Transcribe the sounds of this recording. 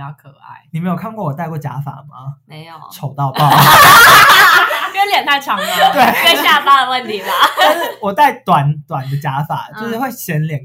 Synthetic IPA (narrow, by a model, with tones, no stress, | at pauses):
t͡ɕɑ˥˩ʊkʰɤ˨˩a̰˥˩ɪni˨me˧˥ɪjo˨˩kʰa˥˧nkwɔ˥˩wɔ˨˩t̪a˥˧ɪkwɔ˥˩t͡ɕja̰˧˥fa̰˨˩ma˨˦me˧˦ɪjo˨˩ʈ͡ʂʰo˨˩ʊt̪ɑ˥˧ʊpɑ˥˨ʊ˨˩˥ | ə˧˥ljɛ˨˩nt̪ʰa˥˩ɪʈ͡ʂʰɑ˨˥ŋ˨t̪we˥˩ɪe˥˧ɪɕja˥fa˥də˨wə˥˩nt̪ʰi˨˧˥lə˦a˥˧nʂ̩˥˩wɔ˨˩t̪a˥˩ɪt̪wa˨˦nt̪wa˨˩nd̪ə˦t͡ɕja˧˥fa̰˨˩t͡ɕjʂ̩˥˧we˥˩ɪɕjɛ˧˦nljɛ˨˩˦n